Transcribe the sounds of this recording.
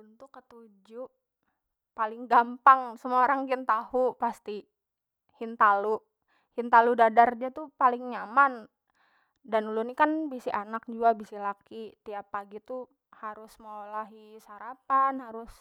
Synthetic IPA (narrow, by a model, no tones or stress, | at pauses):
unt̪ukːət̪ud͡ʒuʔ | palɪŋɡampaŋsəmuaoɾaŋɡint̪ahupast̪i | hint̪alu | hint̪aludadard͡ʒat̪upalɪŋɲaman | danulunikanbisiʔanak̚d͡ʒuabisilakit̪iapːaɡit̪u | haɾʊsmaalaɦisaɾapanhaɾʊs